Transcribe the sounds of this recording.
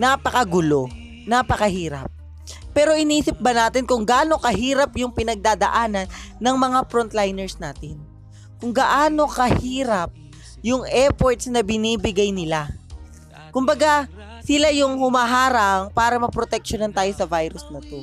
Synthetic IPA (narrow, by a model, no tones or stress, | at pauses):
napɐkɐɡʊlo̞ | napɐkɐɦiːɾɐ̰p̚ː | ɛːɾo̞ʔɪniːsɪp̚bɐnaːt̪ɪnkʊŋɡɐʔaːno̞kɐɦiːɾɐpjʊŋpɪnɐɡ̚d̪aːd̪ɐʔaːnɐnːɐŋmɐŋafɾont̪lajnɛɹsnaːt̪ɪn | kʊŋɡɐʔaːno̞kɐhiːɾɐp̚ | jʊŋɛpoɹt̪snɐbɪniːbɪɡajnɪla | kʊmbɐɡa | sɪlajʊŋhʊmaːɦaːɾɐŋpaːɾɐmɐpɾot̪ɛk̚ʃonɐnt̪aːjo̞sɐvajɾʊsnɐt̪o̞